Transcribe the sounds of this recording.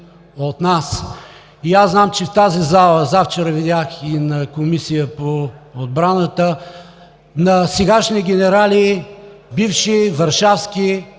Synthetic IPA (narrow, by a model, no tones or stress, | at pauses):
ot̪nas | iaznamt͡ʃɛft̪azizalˠəzaft͡ʃɛɾəvid̪ʲjaxinɐkomisijəpood̪̚bɾanət̪ə | nɐsɛɡaʃniəɡʲɛnɛɾalibifʃivɐɾʃafskʲi